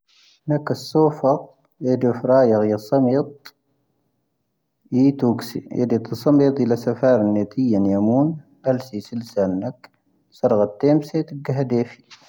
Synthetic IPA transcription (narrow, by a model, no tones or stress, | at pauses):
nakːasːoːfɑq | ed̪efɾˤɑːjɑɣjɑsˤɑmit̪̚ˤ | it̪uɡsḭḛd̪it̪ɨsˤɑmiːt̪ˤilasafɑːɾˤɑnːeːt̪ʰijːanjamuːn | ʔalsisilsalnak | sɑɾˤɣɑt̪ːeːmset̪əɡaɦd̪eːfi̥